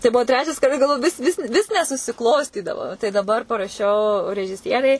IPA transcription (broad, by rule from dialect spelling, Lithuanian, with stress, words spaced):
tɐɪ ˈbuɔ ˈtʲrʲæːt͡ʃʲɛs kɐˈdɐ ɡɐlˠˈʋoːjʊ ˈʋʲɪs ˈʋʲɪs ʋʲɪs nʲɛsʊsʲɪˈklˠoːsʲtʲiːdɐʋoː tɐɪ dɐˈbɐr pɐrɐˈʃʲɛʊ rʲɛʒʲɪˈsʲiɛrʲɛɪ